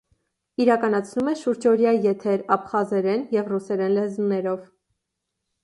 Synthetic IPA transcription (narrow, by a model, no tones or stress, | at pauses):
iɾɑkɑnɑt͡sʰnumɛʃuɾd͡ʒɔɾjɑjɛt̪ʰɛɾɑpχɑzɛɾɛnjɛvrusɛɾɛnlɛzunɛɾɔv